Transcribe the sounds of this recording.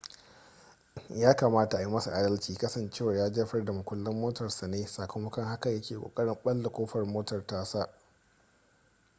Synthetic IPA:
jaː˦kaː˨maː˦ta˨ʔa˨ji˦mɐ˦sa˨ʔa˨dɐ˦lt͡ʃiː˨kɐ˦sɐ˨nt͡ʃeː˦˨wɐ˨rjaː˦d͡ʒɐː˦ɸɐ˦rda˨mʊ˨kʷʊ˦lːɪ˦mːoː˦tɐ˨rsa˨neː˦saː˨kʷo˦mɐ˦kɐ˦ŋha˦kɐ˨jɐ˦kʲeː˨kʷʼo̰ː˨kʼɐ˦ɽɪ˦mɓɐ˦lda˨kʷoː˦ɸɐ˨rmoː˦tɐ˨rtaː˦sa˦ʔ

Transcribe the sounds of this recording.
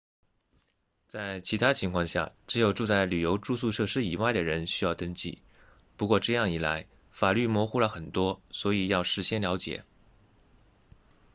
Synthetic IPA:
t͡sa˥˩ɪt͡ɕʰi˧˥t̪ʰa˥t͡ɕʰi˧˥ŋkʰwɑ˥˧ŋɕja̰˥˩ʈ͡ʂɻ̩˧˥jo˨˩ʊʈ͡ʂu˥˧t͡sa˥˩ɪly˨˩jo˧˥ʊʈ͡ʂu˥˧su˥˧ʂɤ˥˧ʂɻ̩˥i˨˩wa˥˩ɪd̪ə˩ɻə˧˥nɕy˥jɑ˥˩ʊt̪ə˥ŋt͡ɕḭ˥˩ | pu˧˥kwɔ˥˧ʈ͡ʂɤ˥˧jɑ˥˩ŋi˨˩la̰˧˥ɪ | fa˨˩ly˥˩mwɔ˧˥xu˥lə˨xə˨˩nt̪wɔ˥swɔ˧˥i˨˩jɑ˥˩ʊʂɻ̩˧˥˩ɕjɛ˥nljɑ˧˥ʊt͡ɕjɛ̰˨˩˦

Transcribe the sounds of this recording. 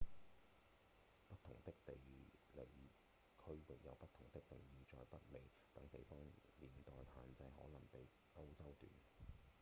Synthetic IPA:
pɐ˥t̪̚ʰʊ˨˩ŋt̪ɪ˥k̚t̪e˨jle˨˩j | kʰɵ˥ɥwɪ˨k̚jɐ̰˨˧wpɐ˥t̪ʰʊ˨˩ŋt̪ɪ˥k̚t̪ɪ˨ŋjiː˨˧t͡ʃɔ̰ː˨˧jpɐ˥t̚me˨˩j | t̪ɐ˨˥ŋt̪e˨jfɔː˥ŋliː˨˩nt̪ɔː˨jhaː˨nt͡sɐ˧jɦɔː˨˥lɐ˨˩ŋpe˨j | ŋɐ˥wt͡sɐ˥wt̪y̰ː˨n

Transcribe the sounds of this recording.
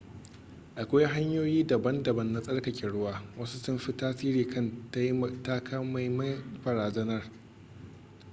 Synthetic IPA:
ʔa˨kʷaː˦jɦa˦ɲjoː˦jiː˦dɐ˨bɐ˦ndɐ˨bɐ˦nːa˦sʼɐ˦ɽkɐ˨kʲɪ˨ɽʊ˦waː˦wɐ˦su˦tʊ˦mɸɪ˦taː˦siː˦ɾiː˨kʰɐ˦˨nta˦ji˦˨ta˦kʰa˦ma˨jmɐ˦bɐ˨ɾaː˨zɐ˦nɐ˦r

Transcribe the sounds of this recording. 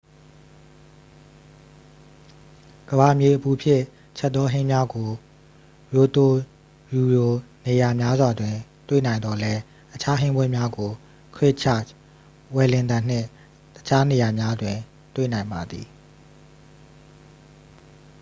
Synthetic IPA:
ɡ̥əba˨mje˨ʔəpu˨pʰjɪ̰̃˦˨ | t͡ɕʰɛ˦ʔ̪̚t̪ːɔ˦ɦɪ̃˦mja˦ɡo˨ | jo˨t̪o˨ | ju˨ɹo˨ne˨ja˨mja˦zwa˨dwɪ̃˨t̪wḛ˦˨nã˨ɪ̃nd̪ɔ˨lɛ˦ | ʔət͡ɕʰa˦ɦɪ̃˦mbwɛ˦˨mja˦ɡo˨ | kʰɹɪ˦ʔt͡ɕʰa̰˦˨ | wɛ˨lɪ̃˨nd̪ã˨n̥ɪ̰̃˦˨ | tət͡ɕʰa˦ne˨ja˨mja˦dwɪ̃˨ | t̪wḛ˦˨nã˨ɪ̃mba˨d̪ḭ˨

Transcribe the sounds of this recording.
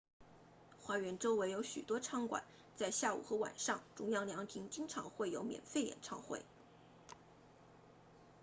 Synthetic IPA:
xwa˧˥ɥɛ˧˥nʈ͡ʂo˥ʊwe˧˥ɪjo˧˥ʊɕy̰˨˩t̪wɔ˥ʈ͡ʂʰɑ˥˩ŋkwa̰˨˩˦n | t͡sa˥˧ɪɕja˥˩ṵ˨˩xɤ˧˥wa̰˨˩nʂɑ˥˩ŋʈ͡ʂʊ˥ŋjɑ˥ŋljɑ˧˥ŋt̪ʰi˧˥ŋt͡ɕi˥ŋʈ͡ʂʰɑ̰˧˥ŋxwe˥˩ɪjo˧˥ʊmjɛ̰˨˩nfe˥˩ɪjɛ̰˨˩nʈ͡ʂʰɑ˥˧ŋxwḛ˥˩ɪ

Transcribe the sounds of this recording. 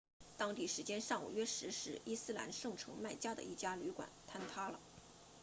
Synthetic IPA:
t̪ɑ˥ŋt̪i˥˩ʂɻ̩˧˥t͡ɕjɛ˥nʂɑ˥˩ŋṵ˨˩ɥɛ˥ʂɻ̩˧˥ʂɻ̩˧˥i˥sɹ̩˥la̰˧˥nʂɤ˥˩ŋʈ͡ʂʰɤ˧˥ŋma˥˩ɪt͡ɕja˥d̪ə̰˧ʔi˥˩t͡ɕja˥ly˧˥kwa̰˨˩˦nt̪ʰa˥nt̪ʰa˥lə˨

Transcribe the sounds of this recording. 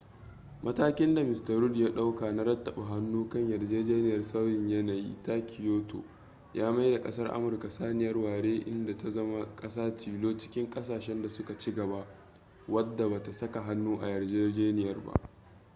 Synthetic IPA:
mʔɐ˦taː˦kʲɪ˦nda˨mɪ˨stɐ˨ɾʊ˦djaː˦ɗa˦wka˨na˦ɾɐ˦tːɐ˨ɓa˨ɦa˦nːuː˦kɐ˦ɲjɐ˨rd͡ʒeː˦d͡ʒeː˦nɪ˨jɐ˨rsa˦wjɪ˨ɲjɐ˦na˨jḭ˦taː˦kʰʲɪ˨joː˦tʰo̰˨ | jaː˦ma˦jda˨kʼɐ̰˦sɐ˦rʔa̰˦mʊ˨rka˨saː˦nɪ˨jɐ˦rwaː˨ɽeː˦ʔɪ̰˦nda˨ta˨zɐ˦ma˦kʼɐ˦saː˦t͡ʃiː˨loː˦t͡ʃɪ̥˦kʲɪ˦ŋkʼɐ˦saː˨ʃɛ˦nda˨sʊ˦ka˨t͡ʃɪ˦ɡɐ˨ba˦ʔ | wɐ˦dːa˨baː˨ta˨sɐ˦ka˨ɦa˦nːuː˦ʔa̰˨jɐ˨rd͡ʒeː˦d͡ʒeː˦nɪ˨jɐ˨rba̰˦ʔ

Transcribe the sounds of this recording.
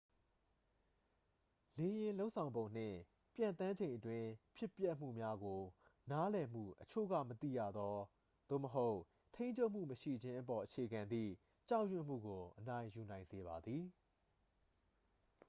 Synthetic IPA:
le˨jɪ̃˨lo˦ʊʔsʰã˨ʊ̃mbõ˨ʊ̃n̥ɪ̰̃˦˨ | pjã̰˨nt̪ã˦ɲd͡ʑẽ˨ɪ̃ʔətwɪ̃˦pʰjɪ˦ʔpjɛ˦ʔm̥ṵ˦˨mja˦ɡo˨na˦lɛ˨m̥ṵ˦˨ʔət͡ɕʰo̰˦˨ɡä̰˦˨mət̪ḭ˦˨jä̰˦˨d̪ɔ˦ | d̪̥o̰˦˨məɦo˦ʊ | tʰẽ˦ɪ̃ɲt͡ɕʰo˦ʊʔm̥ṵ˦˨məʃḭ˦˨d͡ʑɪ̃˦ʔəpɔ˨ʔət͡ɕʰe˨ɡã˨nd̪ḭ˦˨ | t͡ɕa˦ʊjwɪ̃˦˨m̥ṵ˦˨ɡo˨ʔəna˦ɪ̃ju˨nã˨ɪ̃nze˨βa˨d̪ði˨

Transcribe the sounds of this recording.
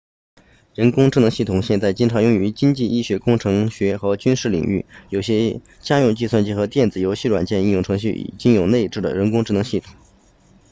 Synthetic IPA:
ɻə˧˥nkʊ˥ŋʈ͡ʂɻ̩˥˩nɤ˧˥ŋɕi˥˩t̪ʰʊ˨˩ŋɕjɛ˥˧nt͡sa˥˩ɪt͡ɕi˥nʈ͡ʂʰɑ˧˥ŋjʊ˥˩ŋy˧˥t͡ɕi˥ŋt͡ɕi˥˧ʔi˥˩ɕɥɛ˧˥kʊ˥˩ŋʈ͡ʂʰɤ˧˥ŋɕɥɛ˧˥xɤ˧˥t͡ɕy˥nʂɻ̩˥˩lḭ˨˩ŋy̰˥˩jo˨˩ʊɕjɛ˥ | t͡ɕja˥jʊ˥˧ŋt͡ɕi˥˧swa˥˧nt͡ɕi˥˩xɤ˧˥t̪jɛ˥˩nd͡zɹ̩˨˩jo˧˥ʊɕi˥˩ʈ͡ʂwa̰˨˩nt͡ɕjɛ˥˧ni˥˧njʊ˥˩ŋʈ͡ʂʰɤ˧˥ŋɕy˥˩ʔḭ˨˩t͡ɕi˥ŋjo˨˩ʊne˥˧ɪʈ͡ʂɻ̩˥˩d̪ə̰˩ɻə˧˥nkʊ˥ŋʈ͡ʂɻ̩˥˩nɤ˧˥ŋɕi˥˩t̪ʰʊ̥˨˩˦ŋ

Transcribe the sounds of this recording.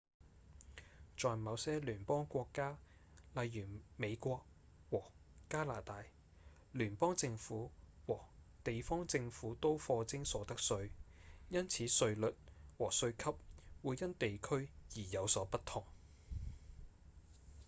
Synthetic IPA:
t͡ʃɔː˨jmɐ˨˧wsɛː˥lyː˨˩npɔː˥ŋkʷɔː˧kːaː˥lɐ˨jːyː˨˩me˨˧jkʷɔː˧k̚ | wɔː˨˩kaː˥laː˨˩t̪aː˨˧j | lyː˨˩npɔː˥ŋt͡sɪ˧ŋfuː˨˥wɔː˨˩ | t̪e˨jfɔː˥ŋt͡sɪ˧ŋfuː˨˥t̪o˥wfɔː˧t͡sɪ˥ŋsɔː˨˥t̪ɐ˥k̚sɵ˧ɥjɐ˥nt͡sʰiː˨˥sɵ˧ɥlɵ˨t̚wɔː˨˩sɵ˧ɥkʰɐ˥p̚wuː˨˧jjɐ˥nt̪e˨jkʰɵ˥ɥjiː˨˩jɐ˨˧wsɔː˨˥pɐ˥t̪ʰʊ˨˩ŋ

